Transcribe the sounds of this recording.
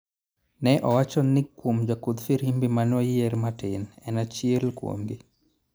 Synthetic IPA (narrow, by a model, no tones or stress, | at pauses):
nɛʔɔwat͡ʃɔnɪkːwomd͡ʒakud̪fiɾimbimanɔjeɾmatɪnɛnat͡ʃjelkwo̰mɡɪ